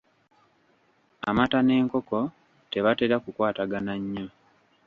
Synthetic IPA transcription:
a̰matane̞ːŋko̞ko̞ | te̞βate̞ɾakukwaːtaɡanaɲːo

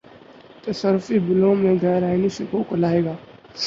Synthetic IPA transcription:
t̪ɐsəɾʊfibɪlõːmẽɡʱɛːɾaːinisɪkõkolaːeːɡaː

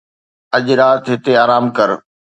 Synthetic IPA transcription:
ɐʄɾaːt̪ɦɪt̪eaːɾaːmkɐɾ

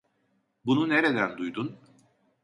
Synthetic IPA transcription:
bununeɾe̞d̪ænd̪ujd̪un

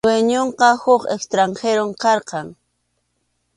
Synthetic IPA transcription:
weɲoɴqɑhʊχekst̪ɾaɴxeɾomkɑɾqɑŋ

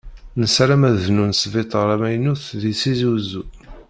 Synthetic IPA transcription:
nəsɾæmæððnunsvɪt̪ˤʁəɾæmæjnuθðisizuzu

